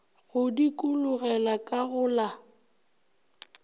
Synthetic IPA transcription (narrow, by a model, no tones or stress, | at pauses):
ɣʊdikʼulʊɣɛlakʼaɣʊːla